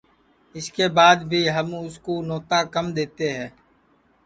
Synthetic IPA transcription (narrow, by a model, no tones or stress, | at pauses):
ɪskeːbaːd̪bʱiːɦəmʊskoːnɔːt̪aːkəmd̪eːt̪eɦɛ̃ː